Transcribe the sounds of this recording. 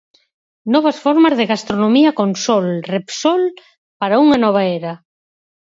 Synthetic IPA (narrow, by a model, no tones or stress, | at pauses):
nɔβɐsfɔɾmɐzðeɣast̪ɾonõmiakonsɔlrepsɔl | paɾauŋanɔβ̞aeɾɐ